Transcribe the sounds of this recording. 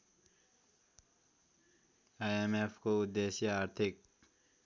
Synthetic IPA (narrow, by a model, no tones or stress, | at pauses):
ajemepʰkoud̪ːesjəaːɾt̪ʰik̚